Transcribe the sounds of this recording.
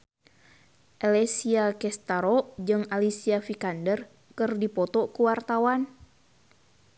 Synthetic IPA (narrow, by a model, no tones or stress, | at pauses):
ʔɛlɛsiakɛst̪aɾɔʔd͡ʒɨŋalisiafikandər | kɨrdipɔt̪ɔkuwart̪awan